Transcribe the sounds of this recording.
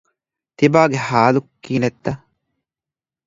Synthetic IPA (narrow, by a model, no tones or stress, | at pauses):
t̪ibaːɡehaːlukːiːnet̪ːɐ